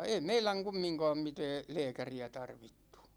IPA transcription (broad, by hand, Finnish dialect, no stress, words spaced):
ei meilæŋ kumːiŋkɑːm mitɛː lɛːkæriæ tɑrʋitːu̥